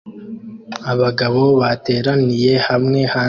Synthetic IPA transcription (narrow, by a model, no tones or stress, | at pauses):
aβaɡaβo̞βate̞ːɾanije̞hamŋe̞ha